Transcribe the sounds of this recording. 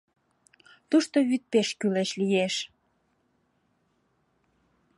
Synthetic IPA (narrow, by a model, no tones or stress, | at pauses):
t̪uʃt̪oβyt̪̚peʃkyleʃlijeʃ